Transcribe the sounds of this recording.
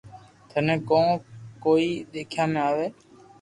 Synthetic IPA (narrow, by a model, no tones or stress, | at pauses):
t̪ʰənẽːkõːkoːiːɗ̪eːkʰjãːmẽːaːʋeː